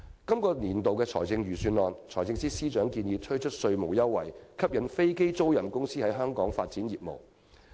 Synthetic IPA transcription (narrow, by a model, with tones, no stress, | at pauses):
kɐ˥mkɔː˧niː˨˩nt̪o˨wkɛː˧t͡sʰɔ̰ː˨˩jt͡sɪ˧ŋjyː˨˩syː˧nlɔː˨˧nt͡sʰɔː˨˩jt͡sɪ˧ŋsiː˥siː˥t͡ʃœː˨˥ŋkiː˧njiː˨p̚t̪ʰɵ˥t͡ʃʰɵ˥t̚sɵ˧ɥmo˨˩wjɐ˥wːɐ˨˩jkʰɐ˥p̚jɐ˨˧˥nfe˥jke˥jt͡so˥wjɐ˨˩mkʊ˥ŋsiː˥hɐ˨˥jɦœː˥ŋkɔː˨˥ŋfaː˧t̚t͡siː˨˥njiː˨˩p̚mo̰˨˩w